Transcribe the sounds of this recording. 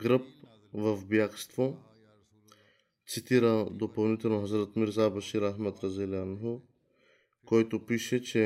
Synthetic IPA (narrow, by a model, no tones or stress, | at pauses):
ɡɾəp̚ | vəfbjakst̪vo | t̪sit̪iɾɐd̪opɐlˠnit̪ɛlˠnoɦəzɾət̪miɾzabɐʃiɾaɦmat̪ɾɐzɛlanɦo | kɔjt̪opiʃɛt͡ʃɛ